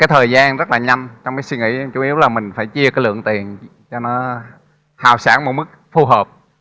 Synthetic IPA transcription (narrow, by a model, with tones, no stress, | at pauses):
kaː˨˦jt̪ʰəː˨˩jzaː˧nzə˦˥t̚laː˨˩ɲa˧jŋ̟t͡ɕɔ˧wŋ͡mkaː˨˦swi˧ŋḭ˧˥t͡ɕu˨˦i˨˦əwlaː˨˩mï˨˩ŋ̟faː˧˩jt͡ɕi˧əkaː˨˦jlɨ̰˧˨əŋt̪i˨˩ən | t͡ɕɔ˧nɔ˨˦ | haː˨˩wsa̰ː˧˩nmo˨˩t̚mɨ˦˥k̚fu˧ɦəː˨˩p̚